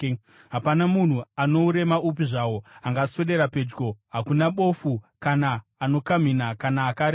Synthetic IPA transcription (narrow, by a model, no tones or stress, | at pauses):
ɦapanamun̤uano̞uɾe̞maup̬iʐawo̞aŋɡase̞ɗe̞ɾape̞d͡ʒɡo̞ɦakunaɓo̞fukanaːno̞kam̤inakanaːkaɾe